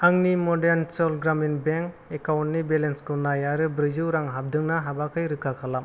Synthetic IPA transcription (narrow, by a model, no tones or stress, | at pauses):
aŋnimɔdeɾnt͡ʃɔlɡɾaminbeŋkekawntnibelenskɯnajaɾɯbɾɯzɯwɾaŋɦab̚dɯŋnaɦabakʰɯjɾɯkʰakʰalam